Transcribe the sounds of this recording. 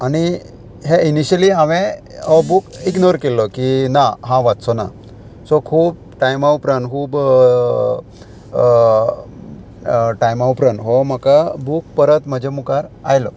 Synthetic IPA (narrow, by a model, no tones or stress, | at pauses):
añi | ɦeiniɕəliaʋẽɔbukiɡnoʋɾkelːɔkinaɦãʋat̪sɔna̰ | sɔkʰuːb̚ | ʈajmawpɾənkʰuːb | ʈajmawpɾənɦɔm̤əkabuk̚pəɾət̪m̤əd͡ʑʱemukaɾa̰jlɔ